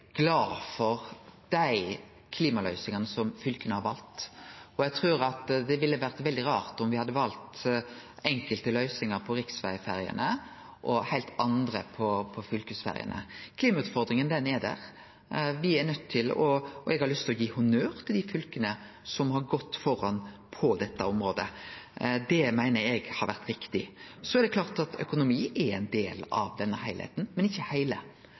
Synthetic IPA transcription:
ɡ̥lɑːfɔɾd̪̥æɪ | kʰliːmɑlœʏsɪŋɑnəsɔmfʏlkənəhɑɾʋɑlt̪ɔjɛɡt̪ʰɾʉːɾɑt̪d̪ɛʋɪlːəʋæɾt̪ʋɛld̪ɪɾɑːɾt̪ɔmʋɪhɑd̪ːəʋɑlt̪ | ɛŋkəlt̪əlœʏsɪŋəɾpʰɔɾɪksʋæ̰ɪfæɾɪə̰nə | ʔɔhæɪlt̪ɑnd̪ɾəpʰɔpʰɔfʏlkʉsfæ̰ɾɪə̰nə̰kʰliːmɑʉːt̪fɔɾd̪ɾɪŋənd̪ɛnɛd̪æ̰ʁ | ʋɪæɾnœt̪ʰːɪlɔɛɡhɑɾlʏst̪ʰɪlɔjiːhʊnøːɾt̪ʰɪld̪ɪfʉlkənə | sɔmhɑɾɡɔt̪ːfɔɾːɑnpʰɔd̪ɛt̪ːəɔmɾoːd̪ə̰ | d̪ɛmæɪnəɾɛɡhɑɾʋæɾt̪ɾɪkt̪ɪsɔɛɾd̪ɛkʰlɑːʁt̪ɑt̪ʰœ̰kʊnʊmiːʔɛɾɛɪnd̪eːlɑ̰ʋd̪ɛnːəhæɪlhɛ̰ɪt̪n̩mɛnɪçːəhæɪlə

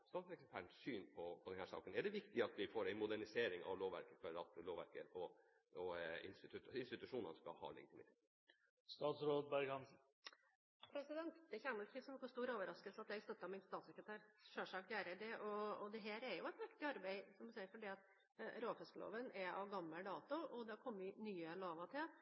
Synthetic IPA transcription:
st̪ɑːt̪sɛkspʰæɳsyːnpʰɔpʰɔd̪ɛnhæːʂɑ̰ːkənɛɖɛʋɪkt̪ɪɑt̪ʋɪfoːɾæɪmʊd̪æɳɪseːɾɪŋɑ̰ʋloːʋæ̰ɾkəfɔɾɑ̰t̪loːʋæ̰ɾkə̰ɾɔ | ɔɪ̰nst̪ɪt̪ʰʉɪnst̪ɪt̪ʉʂuːnə̰nskɑ̰lhɑ̰ːlɛ̰ɡɪt̪ʰɪmɪt̪ʰetːt̪ | st̪ɑːt̪sɾoːd̪̚bɑɾɡɑnsn̩ | pʰɾɛsɪd̪ɛnt̪əçæməlkɪsɔmnɔkːɔst̪uːɾoːʋəɾɑskəlsɑt̪ɛɡst̪œt̪ːɑmɪnst̪ɑːt̪sɛkɾət̪ʰæːɾʂøːʂɑːkj̪æːɾəd̪ɛʔɔɔd̪ɛɦæːɾɛɾjʊɛt̪mɛkt̪ɪɑɾbɛɪsɔmɪsæɪəɾfɔɖiːɑt̪ | ɾoːfɛskəlo̰ːʋənɛɑʋɡɑmːəd̪ɑːt̪ʊɔd̪ɑkʰɔmːəʋɪnyːəloːʋɑt̪ʰɪl

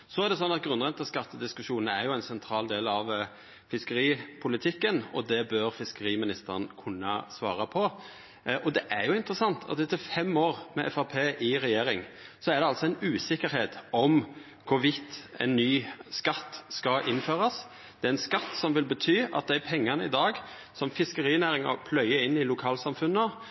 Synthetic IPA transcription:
sɔæɾd̪ɛsɔnːɑt̪̚ɡɾʉnʁɛnt̪ɑskɑt̪ːəd̪ɪskʉʃuːnnəæɾjʊæɪnsɛnt̪ʰɾɑːld̪eːlɑʋ | fɪskəɾiːpʰʊlɪt̪ʰɪkːənɔ̰d̪ɛbœɾfɪskəɾiːmɪnɪst̪əʁənkʰʉnːɑ̰sʋɑ̰ːɾɑpʰɔ | ʔɔd̪ɛʔæɾjʊɪnt̪ɾəsɑnt̪ʰɑ̰t̪ɪt̪ɛfɛmoːʁmɛʔɛ̰fɑpʰeːʔɪɾɛjeːɾɪŋsɔæɾd̪ɛɑlsɔɛɪnʉːsɪkːəɾheːt̪ɔm | kʰʊɾʋɪt̪ːɛ̰nːyːskɑt̪ːskɑʔɪnːføːɾɑs | d̪̥ɛæɾɛnskɑt̪ːsɔmʋɪlbət̪ʰyːʔɑ̰t̪̚d̪æpʰɛŋːɑnəɪd̪ɑːɡ | sɔmfɪskəɾiːnæːɾɪŋɔ̰pʰlœʏəɪnːɪlʊkʰɑːlsɑmfʉnːə

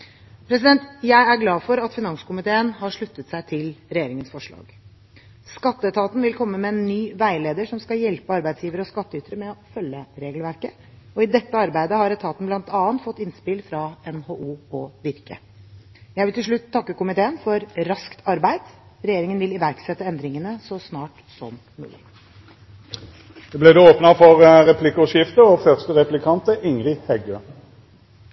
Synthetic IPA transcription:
pʰɾɛs̬ɪd̪ɛnt̪jæɪæɾɡlɑːfɔɾɑt̪fɪnɑŋsə̥kʊmɪt̪ʰeːənhɑʂɭʉt̪ːət̪sæɪt̪ʰɪlɾɛjeːɾɪŋənsfɔʂɭɑ̰ːɡ̥ | skɑt̪ːəɛt̪ʰɑːt̪n̩ʋɪlkʰɔmːəmɛɛnːyːʋæɪleːd̪əʂɔmskɑljɛlpəɑɾbæɪsjiːʋəɾəɔskɑt̪ːəʏt̪əɾəmɛɔfœlːəɾeːɡlʋæɾkə | ɔɪd̪ɛt̪ːəɑɾbæɪd̪əhɑɾɛt̪ʰɑːt̪n̩blɑnt̪ɑːənt̪fɔt̪ːɪnspɪlfɾɑɛnhoːʔuːɔʋɪɾkə̰ | jæɪʋɪlt̪ɪlʂɭʉt̪ʰːɑkːəkʊmɪt̪ʰeːənfɔɾɾɑskt̪ʰɑɾbæɪd̪̥ɾɛjeːɾɪŋənʋɪlɪʋæɾksɛt̪ːəɛnd̪ɾɪŋənəsɔsnɑːʈ | sɔ̰mːʉ̰ːlɪ̰ | d̪ɛːblɛd̪eoːpnɑfɔʁʁɛpʰlɪkʊʃɪft̪əɔfœʁst̪əʁɛplɪkʰɑnt̪əʔɪŋʁɪhɛɡøː

